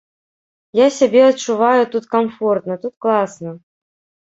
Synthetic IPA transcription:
jasʲabʲɛɐt̪t͡ʂːuvajʊt̪ut̪kamfɔrt̪nɐt̪ut̪̚klˠasnɐ

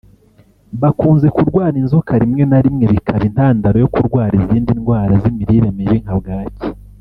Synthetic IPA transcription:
βakuːnze̞kuɾɡwaːɾinzukaɾimŋe̞naɾimŋe̞βikʰaɾin̥aːndaɾo̞jo̞kuɾɡwaːɾiziːndinɡwaːɾazimiɾiɾemiβiŋ̥habɡaːce̥

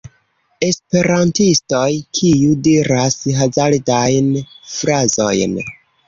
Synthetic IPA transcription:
e̞spe̞ɾantisto̞jkʰijudiɾasɦazaldajnfɾazo̞̰jn

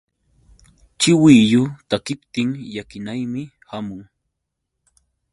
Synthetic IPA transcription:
t͡ʃɪwijʊt̪akɪpt̪ɪŋjakɪnajmɪ | hamʊŋ

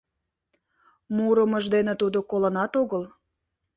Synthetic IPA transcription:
muɾəməʒd̪enet̪ud̪okolə̆nɑt̪oɣəl

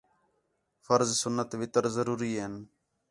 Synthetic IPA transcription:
fəɾzsʊnːət̪ʋɪt̪əɾzəɾuːɾiːɦen

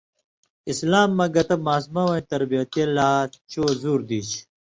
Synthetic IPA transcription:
islaːmːɐɡɐt̪ɐmaːs̬mɐwɐñt̪ɐɾbijɐt̪elaːt͡ɕoːzuːɾd̪iːt͡ɕ

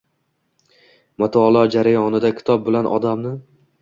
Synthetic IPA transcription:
mat̪ʰɒlˠɒd͡ʒaɾajɒnɪd̪akʲʰɪ̥t̪ʰɒp̚bɪlanʔɒ̰d̪amnɪ

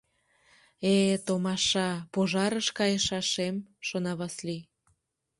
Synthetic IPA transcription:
et̪omɑʃɑpoʒɑɾəʃkɑjeʃɑʃemʃonɑβɑsli

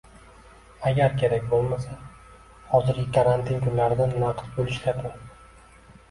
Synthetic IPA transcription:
aɡʲaɾkʲʰe̞ɾakʲbolˠmasa | hɒzɪɾɡʲɪkʰaɾant̪ʰɪnkʰʊnlaɾɪd̪anːaqʰt̪bolˠɪʃlad̪ʰɪ

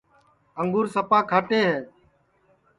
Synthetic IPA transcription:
əŋɡʊːɾsəpaːkʰaːʈeːɦeː

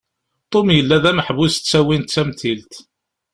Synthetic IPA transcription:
t̪ˤomjəlːæðæməħvʊst̪t͡sːæwint̪t͡sːæmt̪ilt̪

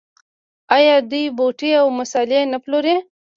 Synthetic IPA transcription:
ɑjɑd̪ujboʈeawmʊsɑlɪenaploɾe

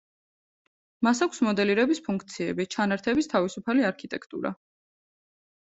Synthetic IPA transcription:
masakʷʰsmɔd̪ɛliɾɛbispʰuŋkʰt̪sʰiɛ̰bit͡ʃʰanaɾt̪ʰɛbist̪ʰavisupʰaliaɾkʰit̪ʼɛkʰt̪ʼṵɾa̰

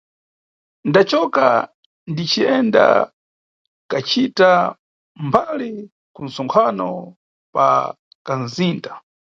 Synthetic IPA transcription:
ndat͡ʃɔka̰ | ndit͡ʃiɛnda̰ | kat͡ʃita | mbali | kun̩sɔŋkʰanɔ | pa̰ | kanziːntḁ

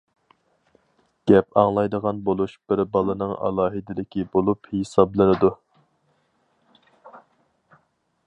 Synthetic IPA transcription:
ɡ̥ʲɛpɑŋlˠɑjd̪əʁɑnbolˠuʃb̥ɪɾbɑlˠɨnɨŋɑ̰lˠɑːɦɨd̪ɪlɪkʲibolˠuphesɑblˠɨnɨd̪u

